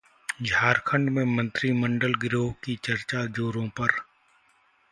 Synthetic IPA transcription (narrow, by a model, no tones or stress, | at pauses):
d͡ʒʱaːɾkʰə̃ɳɖmẽːmə̃nt̪ɾiːməɳɖəlɡɾoːɦkit͡ʃəɾt͡ʃaːd͡ʒoːɾõːpəɾ